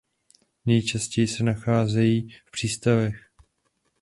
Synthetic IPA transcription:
nɛjt͡ʃascɛjɪsɛnaxaːzɛjiːfpr̝̥iːst̪avɛx

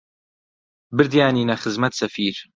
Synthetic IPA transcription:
bɨɾd̪jaːniːnɐxɨzmɐt̪sɐfiːɾ

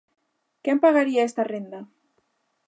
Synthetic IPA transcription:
kempaɣaɾiaest̪arend̪a

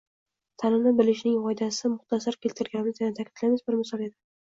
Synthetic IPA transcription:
t̪ʰanɪmnɪbɪlɪʃnɪŋɒjd̪asɪmʊχt̪ʰasaɾkʲʰe̞lt̪ʰɪɾɡʲanlɪkanɪt̪ʰakʲʰɪd̪lamɪzbɪɾmɪsɒled̪ɪ

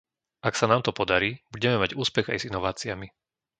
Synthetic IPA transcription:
aksanaːmt̪ɔpɔd̪aɾiːbuɟɛmɛmaɟuːspɛɣa̰jzinɔʋaːt͡siami

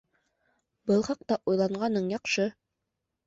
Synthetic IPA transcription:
bɤlˠχɑq̚t̪ɑʔujlˠɑɴɢɑnɤɴjɑqʃɤ

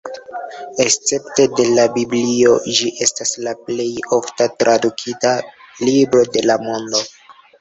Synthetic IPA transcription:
e̞st͡se̞pte̞de̞labiblio̞d͡ʒiʔe̞staslaple̞jo̞ftatɾʔadukʰita | libɾo̞de̞lamo̞ndo̞

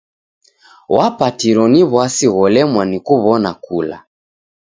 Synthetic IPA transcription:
wapatiɾɔniβwasiɣɔlɛmwanikuβɔnakula̰

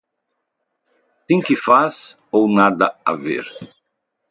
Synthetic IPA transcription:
t̪ẽj̃kɪfas | ownad̪ɐa̰vḛɾ

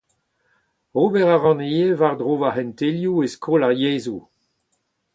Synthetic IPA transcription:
oːbɛʁaʁɑ̃nejevaʁdʁoːvaɦɛ̃nt̪eljueskʰoːlaʁjeːzu

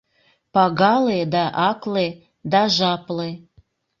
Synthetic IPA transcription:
pɑɣɑled̪ɑʔɑkle | d̪ɑʒɑple

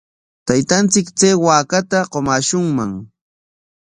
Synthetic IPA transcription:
t̪ajt̪ant͡sɪkt͡seːwaːkat̪aɢomaːʃʊŋmaŋ

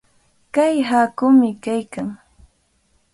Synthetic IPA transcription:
kajɦakʊmɪkajkaŋ

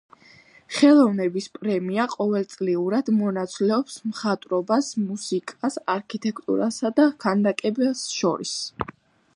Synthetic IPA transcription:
χɛlˠɔvnɛbispʼɾɛmiaqʼɔvɛlˠt̪sʼliuɾad̪mɔnat̪sʰlɛɔpsmχat̪ʼɾɔbasmusikʼasaɾkʰit̪ʰʼɛkʰt̪ʼṵɾasad̪akʰand̪akʼɛbɛsʃɔ̰ɾḭs

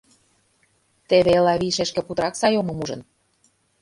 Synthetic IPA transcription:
t̪eβeelɑβiʃeʃkĕput̪ɾɑksɑjomɤ̆muʒɤ̰̆n

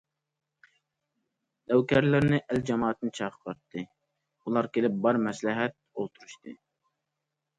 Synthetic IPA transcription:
d̪æwkʲʰɛɾlɪɾnɪʔæld͡ʒɑmɑːt̪ːɨnɪt͡ʃʰɑːqʰə̥bɑɾt̪ʰːɨ | ulˠɑɾkʲʰelɪp̚bɑɾmɛslɪɦɛt̪̚olˠt̪ʰuɾuʃt̪ɨ

